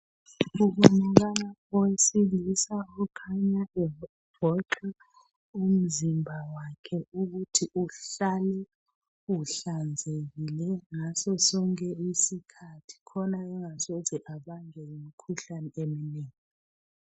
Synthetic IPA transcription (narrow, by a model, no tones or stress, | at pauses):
ukunak̬alaɔwesilisauukʰaɲaʔɛ | b̥ʱɔǃɛ | um̩zimbʱawakʰɛuɣutʰiʔuɬalɛ | uɬand͡zʱeɣilɛŋasɔsɔŋkʰʼɛisikʰatʰi̥kʰɔnaɛŋasɔzʱɛʔaɓaŋɛimikʰuɬanɛemineːŋi